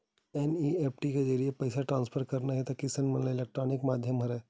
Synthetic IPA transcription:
eniepʰʈikad͡ʒəɾijepəjsaʈɾãnspʰəɾkəɾnaɦet̪akisənmənlaelek̚ʈɾonikmad̪ʱjəmɦəɾe

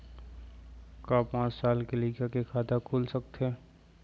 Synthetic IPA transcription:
kaːpãːt͡ʃsaːlkeliːɡjakekʰaːd̪akʰuːlsək̚t̪ɦɛː

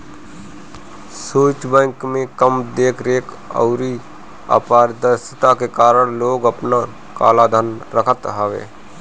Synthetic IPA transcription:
suːt͡ʃbɛ̃ːŋkmẽkəmd̪eːkʰɾeːk | ə̰ʊɾi | a̰ːpaːɾd̪əɾsət̪akekaːɾəɽ̃loːɡəpna | ka̰ːlad̪ʱənɾəkʰət̪ɦəʋḛː

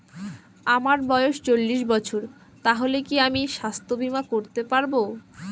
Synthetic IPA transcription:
amaɾbɔeoʃt͡ɕolːiʃbɔt͡ɕʰoɾ | t̪aɦolekiamiʃast̪ʰobʱimakoɾt̪epaɾbo

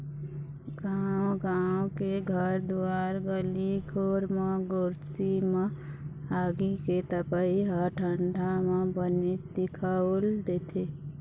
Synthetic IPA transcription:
ɡaːwɡawkeɡʱəɾd̪uaɾɡəlikʰoːɾmeɡoːɾsime | aːɡiket̪əpəiɦəʈʰəɳɖʱamẽbənid̪̥ikʰaold̪eːt̪ʰe

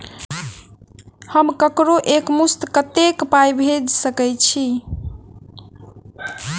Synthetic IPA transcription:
həmkəkɾoʔekmust̪kət̪ekpajbʱed͡ʒsəkɛjt͡ʃʰi

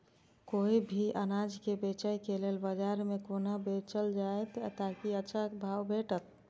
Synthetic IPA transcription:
koːibʱiʔənaːd͡ʒkebeːt͡ʃəikeleːlbəd͡ʒaːɾmẽkoːnabeːt͡ʃəld͡ʒaet̪t̪akiətːʃʰabʱaːwbeːʈət̪̚

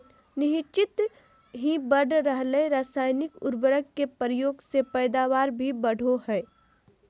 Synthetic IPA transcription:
nɪɦɪt͡ʃɪt̪ | ɦibəɽ̤ʱɾəɦleɾaːsaːɪnɪkʊɾbəɾəɡ̚kepəɾjoːɡsepɛːd̪aːʋaːɾbʱibəɽ̤ʱoɦɛː

